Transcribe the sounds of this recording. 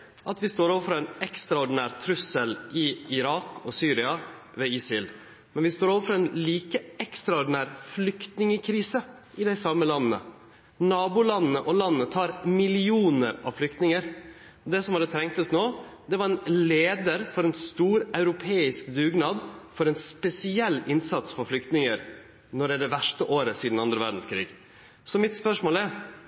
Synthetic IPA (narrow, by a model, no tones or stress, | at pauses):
ʔɑt̪ʋɪst̪oːɾoːʋəɾfɾɔɛnɛkst̪ɾɑʊɖɪnæːɾt̪ʰɾʉsəlɪɪɾɑːkɔsyːɾɪɑ | ʋeɪsɪl | mɛnʋɪst̪oːɾoːʋəfɾɔɛnliːkəɛkst̪ɾɑʊɖɪnæːɾflʏkt̪nɪŋəkʰɾiːsə | ʔɪd̪æɪsɑmːəlɑnnə̰ | nɑːbʊlɑnnəʔɔlɑnːət̪ʰɑːɾmɪlɪuːnəɾɑ̰ʋflʏkt̪nɪŋəɾ | d̪ɛsɔmhɑd̪ət̪ʰɾɛŋk̚t̪ɔsnoːd̪ɛʋɑɾɛnleːd̪əɾfɔɾɛnst̪uːɾɑʉɾʊpʰeːɪskd̪ʉːɡnɑːd̪fɔɾɛnspɛsɪɛlːɪnsɑt̪sfɔɾflʏkt̪nɪŋəɾ | nɔɖ̪ɛd̪ɛʋæʂʈəʔoːɾəsiːd̪n̩ɑnd̪ɾəʋæ̰ɖ̪n̩skʰɾḭːɡ | sɔmɪt̪spœʂmoːlæɾ